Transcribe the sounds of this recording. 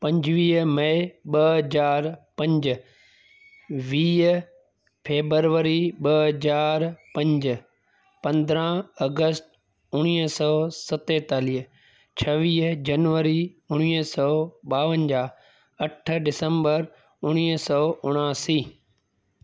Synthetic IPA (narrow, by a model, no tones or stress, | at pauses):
pɐ̃ɲd͡ʑʋiːɦmɐɪɓɐəzaːɾpɐ̃ɲd͡ʑ | ʋiː | fʰeːbəɾʋəɾiɓɐəzaːɾpɐ̃ɲd͡ʑ | pɐ̃nd̪ɾãɐɡəst | ʊɽ̃iːɦsɔːsɐt̪eːt̪aːliːɦ | t͡ɕʰɐʋiːɦd͡ʑɐnʋəɾi | ʊɽ̃iːsɔːɓaːʋənd͡ʑaː | ɐʈ̆ʰɖɪsə̃mbəɾ | ʊɽ̃iːsɔːʊɽ̃aːsiː